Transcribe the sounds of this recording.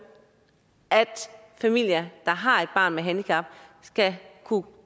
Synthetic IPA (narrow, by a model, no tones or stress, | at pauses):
ʔæd̥ | fæmil̰jɐd̥ɑ̈ɦɑ̈e̝d̥̚b̥ɑ̰̈ːnmeɦænd̥ikʰɑ̈b̥sɡ̥ækʰu